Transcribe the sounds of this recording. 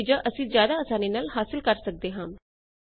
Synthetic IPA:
d͡ʒaːʔəsĩːzjaːd̪aːəsaːniːnaːlɦaːsɪlkəɾsək̚d̪eːɦãː

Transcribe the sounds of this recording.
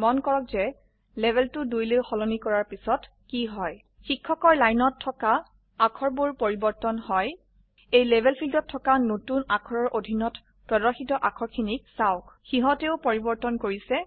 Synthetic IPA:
mɔnkɔɹɔkzɛ | lebʱɛltʊdujlewxɔlɔnikɔɹaɹpisɔt | kiɦɔj | xikʰːɔkɔɹlajnɔtʰːɔka | akʰɔɹbʊɹpoɹibɔɹtɔnhɔj | ejlɛbʱɛlpʰildɔtʰːɔkanotunakʰɔɹɔɹʔodʱinɔt | pɹɔdɔɹxitɔʔakʰɔɹkʰinik̚saʊkxiɦɔtɛʊpoɹibɔɹtɔnkoɹisɛ

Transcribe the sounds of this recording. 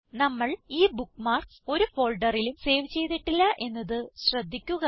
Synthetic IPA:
nɐmːɐɭiːbukːmaːrkso̞ɾufo̞ːlɖɐrilumse̞ːʋt͡ɕe̞jt̪ːiʈːilːɐʔe̞nːɐðɨɕrɐd̪ʱːikʲːuɣɐ

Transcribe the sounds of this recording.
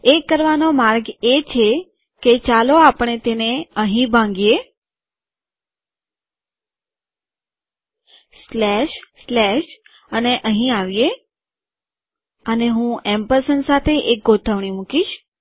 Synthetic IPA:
ekːəɾʋanomaɾɡet͡ʃʰe | ket͡ʃaloapəɳ̃et̪eneəɦĩbʱãŋɡije | slɛʃslɛʃ | əneʔəɦĩaʋje | əneɦũɛmpəɾsənsat̪ʰeʔek̚ɡot̪ʰəʋɳ̃imukiʃ

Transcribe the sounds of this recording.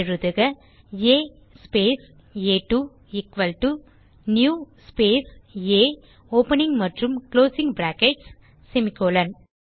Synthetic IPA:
ɾɯðɯɣɐ | eː | speːs | eːʈu | ɪkʋɐlʈu | njuːspeːseː | oːpɐnɪŋɡmɐʈrɯmkloːsɪŋbɾaːkeʈsː | ɛmɪkːoːlɐn

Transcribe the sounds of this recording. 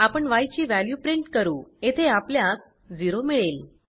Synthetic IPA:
apəɳʋajt͡ɕiːʋæljupɾiɳʈkəɾuːet̪ʰeapljas | d͡ziɾomiɭel

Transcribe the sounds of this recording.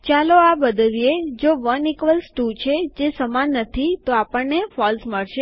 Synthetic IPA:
t͡ʃaloabəd̪lijed͡ʒoʋənikʋəlsʈut͡ʃʰed͡ʒesəmanːət̪ʰit̪oapəɳnefɔlsməɭʃe

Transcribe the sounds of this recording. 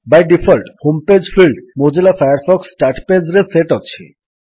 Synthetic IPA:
bajɖifʰɔlʈhomped͡ʑfilɖmod͡ʑelafajaɾfɔksʈaʈped͡ʑɾeseʈɔt͡ɕʰḛ

